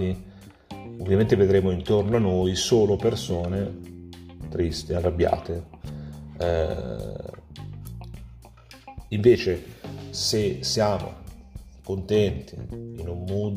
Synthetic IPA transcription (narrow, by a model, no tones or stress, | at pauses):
i | ovːjament̪eved̪ɾeːmoint̪ornoanːoːjsoːlopersoːne | t̪ɾist̪earːabːja̰ːt̪e | iɱveːt͡ʃesesjaːmo̰kont̪ɛnt̪ḭːnumːuːd̪